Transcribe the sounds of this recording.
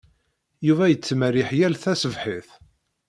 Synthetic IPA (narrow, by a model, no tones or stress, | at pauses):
juvæjət͡sːmərɪħjælθæsəvħiθ